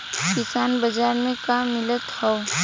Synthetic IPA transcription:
kɪsaːnbɐd͡ʒaːɾmẽkamɪlət̪hɔo

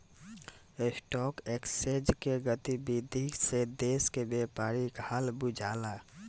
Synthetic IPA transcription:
esʈɔːkeksed͡ʒkeɡət̪ibid̪ʱised̪eːskebepaːɾiɡʱaːlbud͡ʒʱaːla

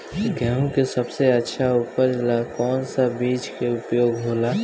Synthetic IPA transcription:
ɡʱɛũkesəbseətːʃʰaʊpəɾlakɔːnsabiːd͡ʒkeʊpjoːɡɦoːla

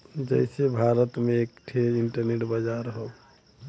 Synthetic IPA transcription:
d͡ʒəɪsebʱaːɾət̪mẽek̚ʈʰeɪɳʈəɾneʈbad͡ʒaːɾɦoː

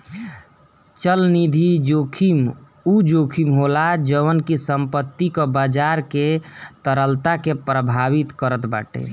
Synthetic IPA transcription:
t͡ʃəlnid̪ʱid͡ʒokʰim | ud͡ʒokʰimɦolad͡ʒəʋənkisəmpət̪ːikɔbad͡ʒaɾket̪əɾəlt̪akepɾəbʱaʋit̪kəɾət̪ba̰ːʈḛ

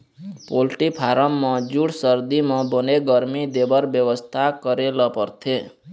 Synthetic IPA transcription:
polʈipʰaɾɔmːɔ̃d͡ʒuɽsəɾd̪imɔ̃bəneɡəɾmid̪ebəɾbjəʋəst̪ʰakəɾelɔpəɾt̪ʰe

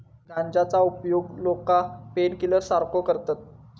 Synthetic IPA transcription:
ɡʱãnd͡ʑat͡saupjoɡlokapenkiləɾsaɾkokəɾt̪at̪̚

